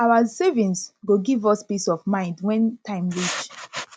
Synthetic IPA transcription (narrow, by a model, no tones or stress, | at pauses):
awasevĩnsɡoɡivɔspisɔvmãɪ̃ndwɛ̃ntʰãɪ̃mɹit͡ʃ